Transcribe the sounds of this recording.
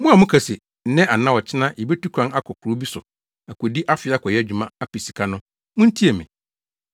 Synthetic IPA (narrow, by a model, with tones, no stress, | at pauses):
mʊ̃˦a˨mʊ̃˦kʰa˨se˨ | n̩˨˦nɛ̃˦ʔa˨nã˦wɔ˨t͡ɕʰɪ˦nã˦ʔi˨be˦tʰu˦kʰã˦a˦kʰɔ˨kʰʊ˨ɾo˦bi˦sʊ˨ | a˨kʰo˨di˦ʔa˦fɪ˨˦a˦kʰɔ˨jɛ˦æ˨d͡ʑᶣu˨mã˦a˦pi˨si̥˨kʰa˦nʊ̃˦ | mʊ̃˦n̩˦tʰi˦e˨mɪ̰̃˨